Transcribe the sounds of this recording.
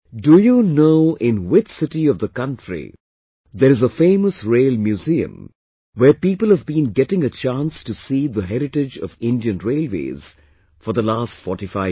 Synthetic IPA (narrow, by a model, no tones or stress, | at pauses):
dujunoʊɪ̃nwɪt͡ʃsɪʈiʌvðəkʌ̃ntɾḭ | ðəɾɨzəfẽɪməsɹeɪlmjuziɨ̰̃m | wəɾpiːpəlˠhəvbĩnɡɛʈɪ̃ŋət͡ʃãnstusiːðəɦɛɾɪʈɪd͡ʒʌ̰vɪ̃ndiɨ̃nɹeɪlˠwḛːz̥ | fɔɾðəlaːstfɔɹʈifaɪ